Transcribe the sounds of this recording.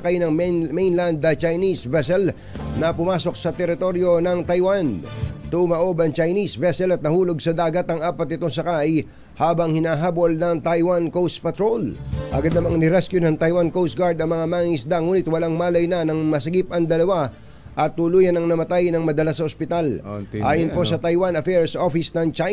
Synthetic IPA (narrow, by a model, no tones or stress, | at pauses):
kajnɐŋmɛnland̪ɐt͡ʃɐjnisvɛsɛl | nɐpʊmaːso̞k̚sɐt̪ɛɾɪt̪o̞ɾjo̞nɐŋt̪ɐjwant̪ʊmɐʔo̞bɐŋt͡ʃɐjnisvɛsɛlɐt̪nɐhuːlo̞ɡsɐd̪aːɡɐt̪ɐŋaːpɐt̪̚ːɪt̪os̬ɐkaj | haːbɐŋhɪnaɦaːbo̞lnɐŋt̪ajwankows̚pɐt̪ɾolʔɐ̰ɡad̪nɐmɐŋnɪɾɛskjʊnɐŋt̪ɐjwankows̚ɡaɹd̪ɐŋmɐŋamaːŋŋɪsd̪aŋuːnɪt̪̚wɐlaŋmaːlɐjnɐnɐŋmɐsɐɡip̚ʔɐŋd̪ɐlɐwa | ʔɐt̪ːʊluːjɐnɐŋnɐmɐt̪ajnɐŋmɐd̪ɐlasɐospɪt̪alʔaːjʊnposɐt̪ɐjwanɐfɛɹsʔofɪsnɐŋt͡ʃa